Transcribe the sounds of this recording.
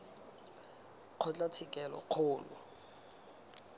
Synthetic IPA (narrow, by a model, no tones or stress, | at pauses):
q͡χʰɔt͡ɬʼatʰɪkʼɛlɔ̰q͡χʰʊːlʊ̰